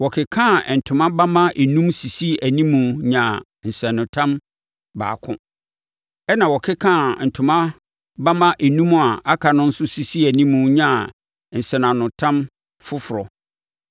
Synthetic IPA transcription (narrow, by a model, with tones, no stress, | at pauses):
wɔ˨kʰɪ˨kʰã˦˨n̩˨tʰʊ̃˨mã˦ba˦mã˦ʔe˨nũ˦msi˨si˦æ˨nĩ˦mːũ˨ɲã˨ | n̩˨sɛ̃˨nʊ̃˨tʰã˦m | ba̰ː˨kʰʊ̰̃˦ | ɛ˦nã˨wɔ˨kʰɪ˦kʰã˦˨n̩˨tʰʊ̃˨mã˦ | ba˦mã˦ʔe˨nũ˦m˦a˨a˦kʰa˨nʊ̃˦n̩˦sʊ˦si˨si˦æ˨nĩ˦mũ˨˦ɲã˦˨ | n̩˨sɛ˨nã˨nʊ̃˨tʰã˦m | fʊ˦fʊ˨ɾɔ̰˨